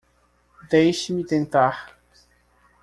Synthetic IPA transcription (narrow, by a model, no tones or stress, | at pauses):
d̪ɛjɕmʲit̪ɛ̃nt̪ax